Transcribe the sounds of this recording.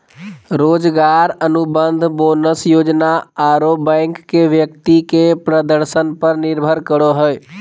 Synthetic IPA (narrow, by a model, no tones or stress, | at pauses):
ɾod͡ʒɡaɾənubənd̪ʱbonəsjod͡ʒnaaɾobɛ̃ɪkːeʋjək̚t̪ikepɾəd̪əɾsənpəɾniɾbʱəɾkəɾoɦəj